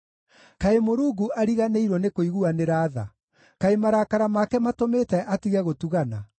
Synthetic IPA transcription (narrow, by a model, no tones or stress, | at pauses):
kaemoɾuːɡuʔaɾiɣaneiɾwɔnekoiɣuaneɾaːða̰ | kaemaɾakaɾamakɛmatometɛʔatiɣɛɣotuɣana